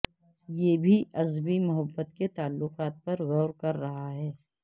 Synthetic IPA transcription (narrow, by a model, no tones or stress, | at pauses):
jebʱiʔɐzbimʊɦəbːət̪ket̪aːlːʊqaːt̪̚pɐɾɣɔːɾkɐɾːɐɦaɦɛː